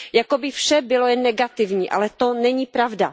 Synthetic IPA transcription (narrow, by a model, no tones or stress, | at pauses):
jakobɪfʃɛbɪlojɛnːɛɡat̪ɪvɲiːʔa̰lɛt̪onɛɲiːpɾavda̰